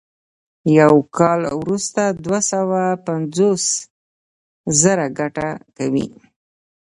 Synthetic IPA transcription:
jawkʰɑlwɾust̪ad̪wasawapand͡zos | zəɾaɡaʈakawḭ

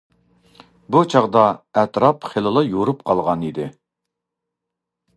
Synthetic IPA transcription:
but͡ʃʰɑʁd̪ɑɛt̪ɾɑpχelˠɨlˠɑjoɾupqʰɑlˠʁɑnid̪ɪ

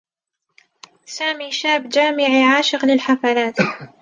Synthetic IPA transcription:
saːmiːʃaːbd͡ʒaːmɪʕiʕaːʃɪqlɪlħafalaːt̪

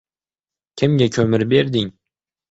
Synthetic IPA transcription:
kʲʰɪmɟʲakʲʰɵmɪɾbeɾd̪ɪŋ

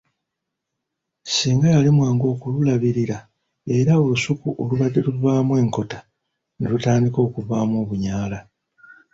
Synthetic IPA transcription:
siːŋɡajalimwaːŋɡo̞ːkululaβiɾiɾa | e̞ɾao̞lusukuʔo̞luβadːe̞luvaːmwe̞ːŋko̞tḁ | nelutaːndiko̞ːkuvaːmwo̞ːβuɲaːla

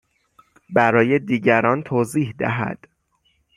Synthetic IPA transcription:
bæɾɒːjed̪iːɟæɾɒːnt̪ʰoːziːhd̪æ̰ɦæ̰d̪̥

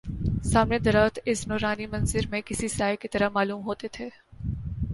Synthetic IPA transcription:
saːmned̪ɐɾaːt̪ɪsnoːɾaːnimɐ̃nzɪɾmẽkɪsisaːekit̪ɐɾəmaːluːmɦoːt̪et̪ʰeː

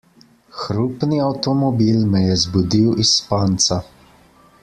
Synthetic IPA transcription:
xɾupniawt̪ɔmɔbiːlmɛjɛzbud̪iwispaːnt̪sa

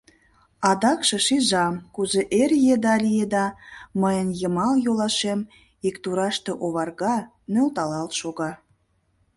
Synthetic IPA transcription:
ɑd̪ɑkʃĕʃiʒɑmkuzeʔerjed̪ɑlʲijed̪ɑməjənjəmɑljolɑʃem | ikt̪uɾɑʃt̪eʔoβɑrɣɑ | nølt̪ɑlɑlt̪ʃoɣɑ

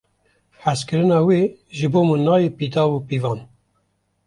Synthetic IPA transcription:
ħæskɨɾɨnɑːweːʒɨboːmɨnːɑːjepid̪ɑːbupiːvɑːn

